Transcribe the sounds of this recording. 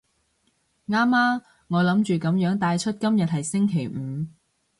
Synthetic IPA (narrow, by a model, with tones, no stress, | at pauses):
ŋaː˥maː˥ | ŋɔː˨˧lɐ˨˥mt͡ʃyː˨kɐ˨˥mjœː˨˥ŋt̪aː˧jt͡ʃʰɵ˥t̚kɐ˥mjɐ˨t̚hɐ˨jsɪ˥ŋkʰe˨˩jm̩ː˨˧